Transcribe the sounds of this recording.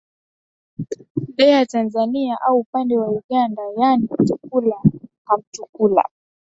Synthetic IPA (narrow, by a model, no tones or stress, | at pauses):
ɗɛatanzaniaʔauːpandɛwauɠandajanit͡ʃuk̚ulaham̩t͡ʃukula̰